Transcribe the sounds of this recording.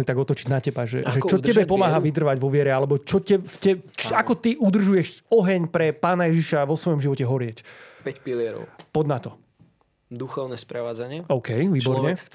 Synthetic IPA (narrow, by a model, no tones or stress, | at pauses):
it̪aɡɔt̪ɔt͡ʃiɟnacɛbaʒɛ̰ʔʒɛt͡ʃɔɛbɛpɔmaːɦaʋid̪r̩ʋaɟʋɔʋɪɛɾɛalɛbɔt͡ʃɔcɛfɛakɔt̪iʔud̪r̩ʒujɛʃɔɦɛɲpɾɛpaːnajɛʒiʃaʋɔsʋɔjɔmʒiʋɔcɛɦɔɾɪɛcpɛcpilɪɛɾɔ̰ʊpɔd̪nat̪ɔ | d̪uxɔʊnɛspɾɛʋaːd͡zaɲɪɛɔʊkɛjʋiːbɔɾɲɛ